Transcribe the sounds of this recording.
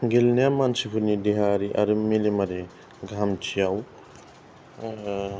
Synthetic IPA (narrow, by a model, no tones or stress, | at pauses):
ɡilnjamansipʰuɾnidiɦaɾiʔa̰ɾɯmilemaɾe | ɡʱamt͡ʃʰijaw